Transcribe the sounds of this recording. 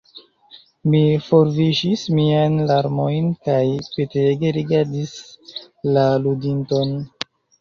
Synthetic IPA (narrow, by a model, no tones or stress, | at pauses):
mifo̞ɾviʃismianlaɾmo̞jnkajpeteɡe̞ɾiɡaɾdis | laludinto̞n